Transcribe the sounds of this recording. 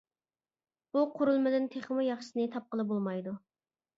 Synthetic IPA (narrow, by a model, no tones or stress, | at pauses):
b̥uqʰʊɾulˠmɪd̪ɪnt̪ʰeχmujɑχʃɨsnɨt̪ʰɑp̚qəlˠɨbolˠmɑjd̪u